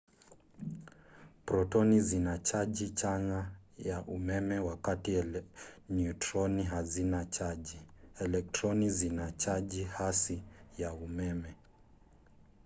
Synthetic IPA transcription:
pɾɔtɔnizinat͡ʃaʄit͡ʃaŋɡajaʔumɛmɛwakati | njutɾɔniɦazinat͡ʃaʄiɛlɛk̚tɾɔnizinat͡ʃaʄihasijaumɛmɛ

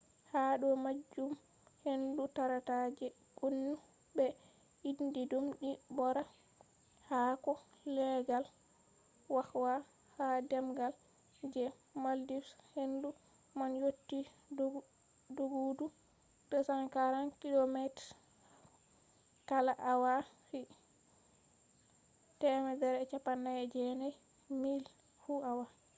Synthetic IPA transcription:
haɗɔmad͡ʒːum | hendutaɾatad͡ʒɛ | ɡunːu | bɛ | indidumɗibɔɾa | hakɔ | lɛɡal | wahwa | hadɛmɡal | d͡ʒɛ | maldishendu | manjotːi | doɡudu | d̥ɔsaŋkaɾankilɔmɛtɾ | kalaʔawa | si | tɛmɛdɛɾɛt͡ʃapːanːajɛd͡ʒɛnaj | mil | fuawa

